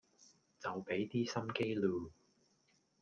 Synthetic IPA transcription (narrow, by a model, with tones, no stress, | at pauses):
t͡sɐ˨wpe˨˥jt̪iː˥sɐ˥mke˥jluː˨˩